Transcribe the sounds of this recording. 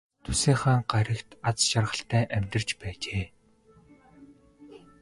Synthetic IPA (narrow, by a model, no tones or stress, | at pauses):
t̪ʰu̥seːχaːŋɢaɾʲə̆kt̪at͡sʃarʁə̆ɬt̪ʰæːʔæmʲt̪ə̆rt͡ɕpæːt͡ɕeː